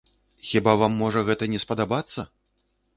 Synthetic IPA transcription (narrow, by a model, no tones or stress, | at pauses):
xʲibavamːɔʐɐɣɛt̪ɐnʲɛspɐd̪abat̪sːɐ